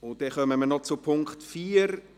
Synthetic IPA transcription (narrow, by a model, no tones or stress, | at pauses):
ʊnt̚d̥ɛχœməmənɔt͡sʊpʰʊŋktfiːɾ